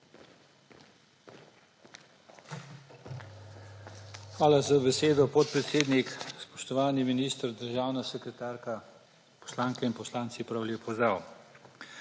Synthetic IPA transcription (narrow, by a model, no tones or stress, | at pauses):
xʋaːlazabɛseːd̪ɔpɔt̪̚pɾɛt̪seːd̪nikspɔʃt̪ɔʋaːniminiːst̪əɾd̪əɾʒaːwnasɛkɾɛt̪aːɾka | pɔ̥slaːŋkɛinpɔslaːnt̪sipɾawlʲepɔzd̪ɾaːw